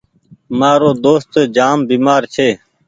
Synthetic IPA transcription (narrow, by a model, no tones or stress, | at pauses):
maːɾoːd̪oːst̪ːd͡ʒaːmbiːmaːɾt͡ʃʰeː